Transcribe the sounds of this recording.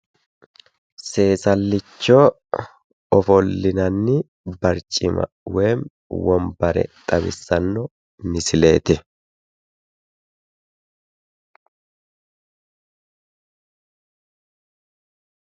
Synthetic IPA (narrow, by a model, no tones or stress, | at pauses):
se̞ːsɐlːɪt͡ʃːoː | ɔfɔlːɪnɐnːɪ | bɐɾt͡ʃʼɪmɐ̰ | weːm | wɔmbɐɾɛ̰t̪ʼɐbɪ̰sːɐnːɔ | nɪsɪle̞̰ːt̪ɪ